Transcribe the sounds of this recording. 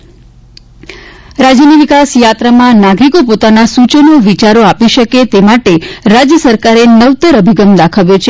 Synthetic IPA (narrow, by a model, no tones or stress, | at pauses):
ɾad͡ʒjəniʋikasjat̪ɾəmãnaɡɾikopot̪anasut͡ʃənoʋit͡ʃaɾoapiʃəket̪emaʈeɾad͡ʒjəsəɾkaɾenəʋt̪əɾəbʱiɡəmd̪akʰaʋjot͡ʃʰe